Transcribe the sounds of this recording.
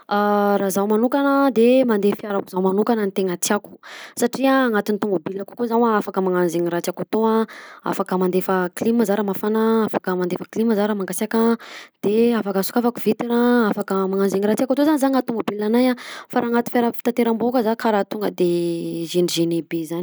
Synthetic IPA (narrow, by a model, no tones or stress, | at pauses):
aɾazawmanukanəd̪emand̪efiaɾakuzawmanukanənt̪eŋat͡s̪iaku̥saʈ͡ʂiaːŋat̪init̪umobilakukuzawaafakəmaŋanzeɲiɾat͡siakat̪oaa̰fakəmand̪efəkliməzaɾəmafanaafakəmand̪efəkliməzaɾəmaŋɡasakad̪̥eafakasu̥kafakuvit̪iɾaafakəmaŋanzeŋiɾat͡siakat̪ozanizaŋat̪umobilanajafaɾaːŋat̪i̥faɾafi̥t̪ant̪eɾambokəzakaɾat̪uŋɡəd̪eʒeniʒenebezan